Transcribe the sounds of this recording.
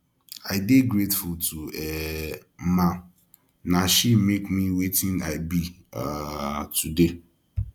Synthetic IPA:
aɪdeɡɾetfultʰuɛm̩mã | naʃimekmiwetɪ̃naɪbi | atʰude

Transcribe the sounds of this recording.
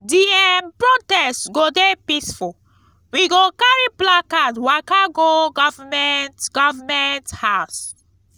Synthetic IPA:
diɛmpɹotɛstɡodepisful | wiɡokaɹiplakatwakaɡoɡɔvamɛntɡ̥ɔvamɛnthaʊs

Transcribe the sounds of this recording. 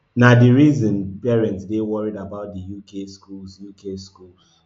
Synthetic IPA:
nadiɹizɔ̃npɛɹɛ̃ntsdewɔɹidabaʊt̚dijukeskulsjukeskuls

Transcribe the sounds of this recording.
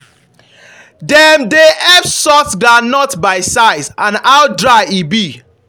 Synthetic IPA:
dɛmdeʔɛbsɔsɡanɔtbaɪsaɪzãnawdɹaɪibi

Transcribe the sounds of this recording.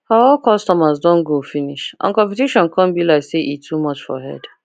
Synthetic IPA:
aɔlkɔstɔmazdɔ̃nɡofiniʃʔã̰nkɔ̃npɛteʃɔ̃nkʰɔ̃nbilaɪkseʔitʰːumɔt͡ʃfɔ̰ɦɛ̰d

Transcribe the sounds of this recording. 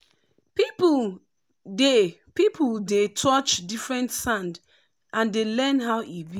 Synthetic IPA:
pip | de | pipʰuldetʰɔt͡ʃdifɹɛ̃ntsãnd | ʔãndelɛnɦaʊʔibi

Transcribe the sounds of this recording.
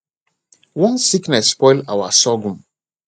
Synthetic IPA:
wɔ̃nsiknɛsːpɔjla̰wa̰sɔɡũm

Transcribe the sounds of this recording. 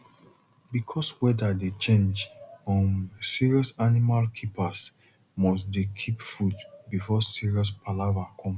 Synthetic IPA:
bikʰɔswɛdadet͡ʃẽnd͡ʒɔ̃siɹiɔsanimalkʰipas | mɔs̬dekʰipfudbifɔsiɹiɔs̬pʰalavakʰɔ̃m

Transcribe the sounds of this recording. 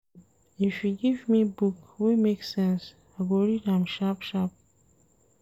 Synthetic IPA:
ifjuɡivmibukwimeksɛ̃ns | aɡoɹiɾãmʃapʃap̚

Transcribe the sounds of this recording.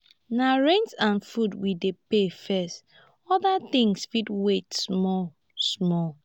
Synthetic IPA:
naɹɛ̃nsãnfudwidepefɛst | ɔðat̪ĩŋsfitwetsmɔl | smɔl

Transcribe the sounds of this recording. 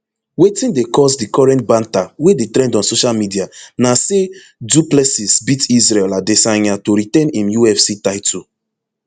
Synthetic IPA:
wetĩndekɔsdikɔɹɛ̃ntbãntawedetɾɛ̃ndɔ̃nsoʃalmidianase | duplesisbitizɹɛladesãɪ̃natoɾitɛ̃nĩmjuɛfsitaɪtʰu

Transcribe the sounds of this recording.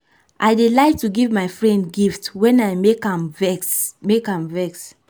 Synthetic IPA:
ʔaɪdelaɪtuɡivmajfɹɛ̃ndɡiftwɛ̃najmekãmvɛksmekãmvɛks

